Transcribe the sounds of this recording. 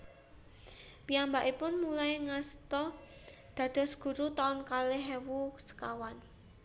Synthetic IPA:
piambaʔipʊnmulajŋast̪ɔ | d̪̥ä̤d̪̥ɔ̤sɡ̥ṳɾut̪aʊnkaleɦɛwusə̥kawan

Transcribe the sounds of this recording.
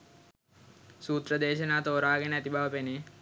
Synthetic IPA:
suːt̪ɾɐd̪eːʃɐnaːt̪oːɾaːɡeneɐt̪ibʱaʋɐpene

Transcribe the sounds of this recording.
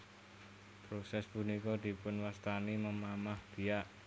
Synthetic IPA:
pɾosɛspunikɔd̪̥i̤pʊnwast̪animəmamahd̪̥i̤aʔ

